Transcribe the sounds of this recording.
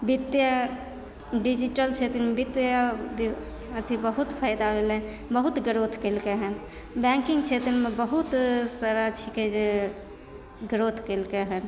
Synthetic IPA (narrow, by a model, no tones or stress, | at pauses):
bit̪ja | ɖid͡ʒiʈəlt͡ʃʰet̪ɾmebit̪jab | ət̪ʰibəɦut̪pʰajd̪aɦelen | bəɦut̪ɡəɾot̪ʰkelkeɦən | bɛ̃ŋkiŋɡt͡ʃʰet̪ɾmebəɦut̪saɾat͡ʃʰiked͡ʒe | ɡɾot̪ʰkəlkeɦən